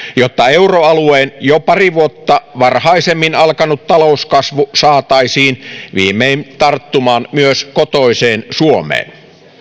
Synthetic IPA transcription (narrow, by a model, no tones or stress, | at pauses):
jot̪ːɑeuroɑlueːnjopɑriʋuot̪ːɑʋɑrhɑisemːinɑlkɑnut̪t̪ɑlouskɑsʋusɑːt̪ɑisiːnʋḭːmːeint̪ɑrt̪ːumɑːnmyøskot̪oiseːnsuomˑḛːn